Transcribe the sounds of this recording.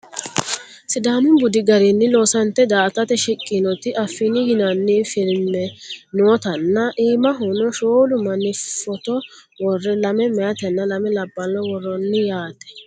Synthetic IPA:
sɪd̪aːmɪmbʊd̪ɪɡɐɾɪnːɪloːsɐnt̪ːɛd̪aːt̪ɐt̪ɛʃɪkʼːɪnɔt̪ɪʔɐfːɪnɪjɪnɐnːɪfɪlmɛnoːt̪ɐnːɐʔiːmɐɦʊnɔʃoːlʊmɐnɪfːɔt̪ɔ | wɔrːɛlɐmɛmɛjɐt̪ɛnːɐlɐmɛlɐbːɐlːɔwɔrːɔnːɪjaːt̪ɛ̥

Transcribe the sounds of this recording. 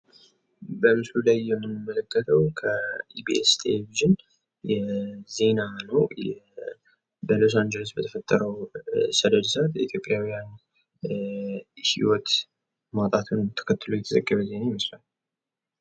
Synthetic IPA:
bəmɨslulajːɛmːɨnːɨmːələkʰːət̪ʰəwkʰəibiɛst̪ʰeleviʒɨn | jɛze̞nanəwjɛ | bəlo̞s̬and͡ʒeləsbət̪ʰə̥fət̪ʼːəɾəwsəd̪əd̪sat̪jɛit̪ʰjo̞pʼjawjan | hḭwɔt̪ | mat̪ʼat̪ʰunt̪ʰə̥kʰət̪ːɨlojɛt̪ʰəzəɡːəβəze̞najɪməslal

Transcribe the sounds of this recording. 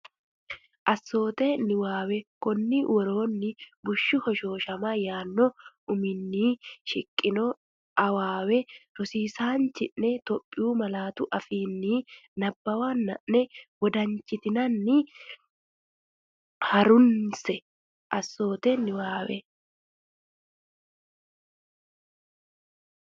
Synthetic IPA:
ʔɐsːo̞ːt̪ɛnɪwaːwɛkɔnːɪwɔɾo̞ːnːɪbʊʃːʊhɔʃo̞ːʃɐmɐjaːnːɔʊmɪnːiːʃɪkʼːɪnɔ | ʔɐwaːwɛɾɔsiːsaːnt͡ʃɪʔnɛt̪ɔpʼːɪjuːmɐlaːt̪ʊʔɐfiːnːiːnɐbːɐwaːnːɐ̰ʔnɛwɔd̪ɐɲt͡ʃʼːɪt̪ɪnɐnːɪ | hɐɾʊnsɛ | ʔɐsːo̞ːt̪ɛnːɪwaːwɛ

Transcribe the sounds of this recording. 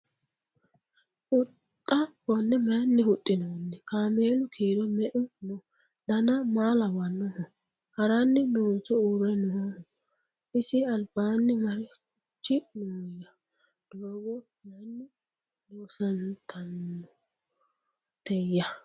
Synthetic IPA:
ʔʊt̪ʼːɐbɔnːɛmɐjɐnːɪhʊt̪ʼːɪnonːɛkaːmeːlʊkʰiːd̪ɔmɛʔʊnɔ | d̪ɐnɐmaːlɐwɐnːɔhɔ | hɐɾɐnːɪnoːnsɔuɾɛnɔhɔ | ʔɪsɪɐlbaːnːɪmɐɾɪkʊ | t͡ʃːɪnuːjɐ | d̪̥oːɡɔ | mɐjnːɪ | noːsɐnt̪ʰɐnːɔ | t̪ɛjːɐ

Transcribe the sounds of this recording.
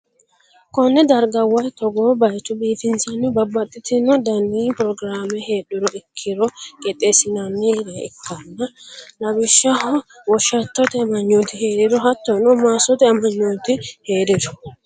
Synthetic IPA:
kɔnːɛd̪ɐɾɡɐwɐjt̪ɔɡoːbɐjt͡ʃːʊbiːfɪnsɐnːɪbɐbːɐt̪ʼːɪt̪ɪnɔd̪ɐniːpɾɔɡɾaːmɛheːɗʊɾɔʔɪkʰːɪɾɔkʼɛt̪ʼesɪnɐnːiɾɐɪkʰːɐnːɐlɐbɪʃːɐhɔ | wɔʃːɐt̪ːɔt̪ɛmɐɲːot̪ɪheːɾɪɾɔɦɐt̪ːɔnɔmaːsɔt̪ɛɐmɐɲːot̪ɪheːdɪdɔ̥

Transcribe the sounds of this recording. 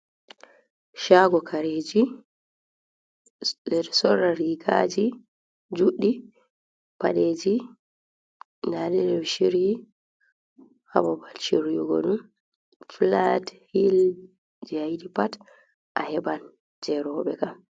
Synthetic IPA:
ʃaɡɔkʰaɾeːd͡ʒi | dɛɾsɔrːaɾiɡa̰d͡ʒi | d͡ʒuɗːi | pa̰ɗed͡ʒi | naɗɛɾɛʃiɾji | ha̰babalʃiɾjuɡɔ̰ɗum | flathil | d͡ʒajdipat | ʔahɛban | d͡ʒɛɾɔɓɛkam

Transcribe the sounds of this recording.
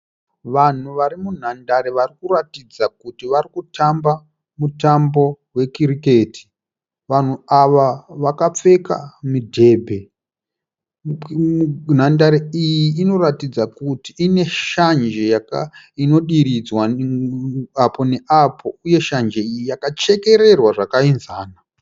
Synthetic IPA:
ʋan̤uʋaɾimun̤andaɾeʋarikuratid͡zakutiʋarikutamba | mutambo̞ | we̞kirike̞ːti̥ | ʋan̤uaʋaʋakap͡fe̞ka̰midʱe̞ːbʱe̞ | n̤andaɾeijiːno̞ɾatid͡zakutiːne̞ʃand͡ʒe̞jak | ino̞ɗiɾid͡zwa | apo̞ne̞ʔapʰo̞uje̞ʃand͡ʒe̞ijijakat͡ʃe̞ke̞ɾe̞rwaʐakainzaːna

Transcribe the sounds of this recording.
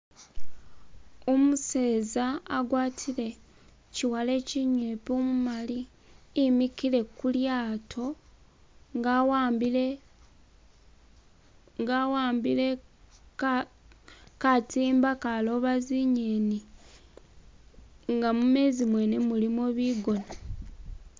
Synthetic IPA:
omuse̞ːzaːɡwaːtʰile̞ | ciwale̞ciɲepomumaliː | mikile̞kuljaːtʰo̞ | ɡw | ŋɡawaːmbile | katiːmbakalo̞βaziɲeni | ŋɡamume̞ːzimwe̞ne̞mulimoβiːɡo̞na

